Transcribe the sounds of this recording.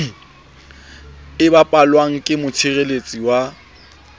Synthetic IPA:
ɪbapʼalwaŋ̩kʼɪmʊt͡ʃʰɪrelet͡sʼiwa

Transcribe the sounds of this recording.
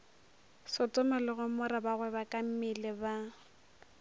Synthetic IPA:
sɔtʼɔmɛlɔɣʊmɔɾabaɣwɛbakʼam̩mɪlɪba

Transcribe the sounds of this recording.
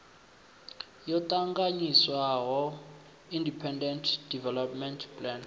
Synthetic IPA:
jɔtaŋɡaɲiswaɣɔ | indipʰɛndɛntʰdivɛlɔpmɛntʰpʼlɛn

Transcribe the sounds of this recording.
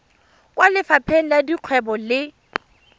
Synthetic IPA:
kʼwalɪfapʰɛn̩ladiq͡χʰwɛbɔlɪ

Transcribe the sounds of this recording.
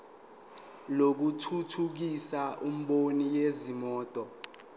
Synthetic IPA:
lok̬utʰutʰuk̬isaʔum̩ɓonijezimɔːtʼɔ

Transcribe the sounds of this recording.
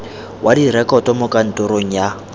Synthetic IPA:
wʔadiɾɛkʼɔtʼɔmʊkʼan̩tʼʊɾoŋ̩ja

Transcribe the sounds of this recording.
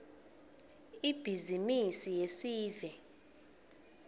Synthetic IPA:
ib̥ʱizimisijesiːvɛ

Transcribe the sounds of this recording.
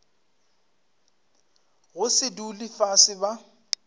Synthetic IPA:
ɣʊsɪdulifasɪba

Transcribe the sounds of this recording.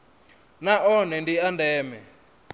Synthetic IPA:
naʔɔnɛndiandɛːmɛ

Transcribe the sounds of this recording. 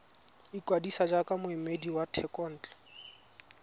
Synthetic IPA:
ikwadisad͡ʒakamʊɪmediwatʰɛkʼɔn̩ːt͡ɬʼḁ

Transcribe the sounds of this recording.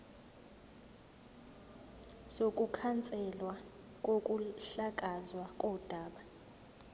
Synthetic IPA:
sokʼukʰant͡sʼɛlwa | k̬ʼokʼuɬak̬ʼazwakʼɔd̥ʱaːɓa

